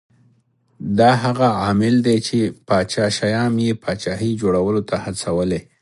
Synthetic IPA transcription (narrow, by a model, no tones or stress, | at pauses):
d̪ɑɦaɣaɑmɪld̪et͡ʃepɑt͡ʃɑʃajɑmjepʰɑt͡ʃɑɦid͡ʒoɽawəlot̪ʰahat͡sawəle